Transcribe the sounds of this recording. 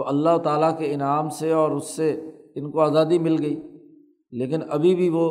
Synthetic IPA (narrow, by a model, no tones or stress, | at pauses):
oʔɐlːaɦt̪aːlakeɪnaːmseɔːɾʊsːeɪnkoaːzaːd̪imɪlɡɐiː | leːkɪnɐbʱibʱiʋo